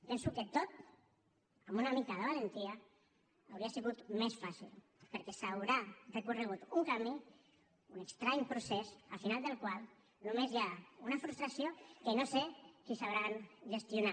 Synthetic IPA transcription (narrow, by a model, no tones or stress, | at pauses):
pɛnsukət̪ot̪̚ | amunamikaðəβalənt̪iaː | wɾiasiɣut̪mesfasḭl | pəɾkɛsawɾarəkurəɣ̞ut̪uŋkami | unəkst̪ɾaɲpɾusesafinalˠd̪əlˠkwalˠ | numezjaunafɾust̪ɾasiokənosekisaβɾanʒəst̪juna